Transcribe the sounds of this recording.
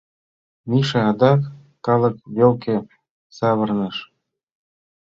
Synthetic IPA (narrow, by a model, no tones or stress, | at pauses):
mʲiʃĕɑd̪ɑkː | ɑlˠɤ̆kβolkʲĕ | sɑβɤ̆rnɤ̆ʃ